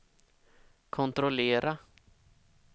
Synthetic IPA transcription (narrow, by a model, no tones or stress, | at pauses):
kʰɔnt̪ɾɔleːɾa